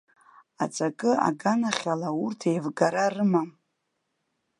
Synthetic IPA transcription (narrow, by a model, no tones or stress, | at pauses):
a̰t͡sʼakʼɨa̰ɡanaχʲalaurtʰejvɡaɾarɨmam